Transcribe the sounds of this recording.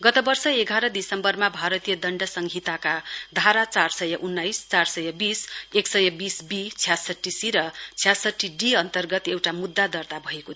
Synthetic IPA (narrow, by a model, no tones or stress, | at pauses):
ɡʌt̪ʌbʌrsʌeɡʱaɾʌd̪isʌmbʌrmabʱaɾʌt̪ijʌd̪ʌɳɖʌsʌŋɡʱit̪akad̪ʱaɾat͡sarsʌjʌʔunːajst͡sarsʌjʌbiseksʌjʌbisbit͡sʰijasʌʈːisiɾʌt͡sʰjasʌʈːiɖiʌnt̪ʌrɡʌt̪ewʈamud̪ːad̪ʌrt̪abʱʌeko